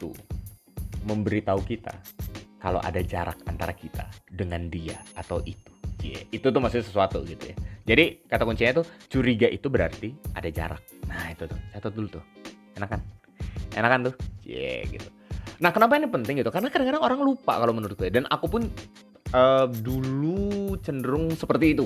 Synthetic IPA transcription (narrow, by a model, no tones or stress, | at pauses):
t̪ṵ | məmbəɾit̪aukit̪a̰kalo̰ʔa̰dad͡ʒaɾa̰kant̪aɾakit̪a̰dəŋandiaat̪awʔit̪u̥d͡ʒɛ̰it̪ut̪ʊhmasʊɲasəsuat̪ṵɡit̪ṵja̰d͡ʒadikat̪akuɲt͡ʃiɲat̪ʊht͡ʃuɾiɡaʔit̪ubəɾa̰rt̪iʔa̰dad͡ʒa̰ɾa̰k̚nait̪ut̪ʊhsat̪at̪ulut̪ʊh | enakan | ḛnakant̪ʊd͡ʒɛ̰ɡḭt̪u̥ | nahkənap̬ainipənt̪ɪŋɡit̪ukarənakadaŋkadaŋoɾaŋlupa̰kalomənuɾʊt̪̚kiadanʔa̰kupʊn | ədulut͡ʃəndəɾʊŋsəpərt̪iːt̪u